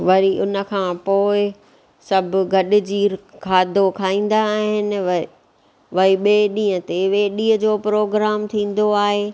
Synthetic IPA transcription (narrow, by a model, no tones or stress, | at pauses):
ʋɐɾiʔʊnə̆kʰãːpoːɪ | sɐbʱɡʱɐɗɪ̆d͡ʑiːɾkʰaːd̪ʱokʰaːĩːn̆d̪aːɦɪnɪ̆ʋ | ʋɐiɓeɗĩːə̃t̪eʋeːɗĩːəd͡ʑoːpɾoːɡɾaːmt̪ʰĩːn̆d̪oaːɦeː